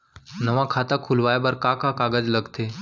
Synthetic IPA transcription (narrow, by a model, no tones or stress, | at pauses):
nəʋãkʰat̪akʰulʋajbəɾkakakaɡəd͡zləɡt̪e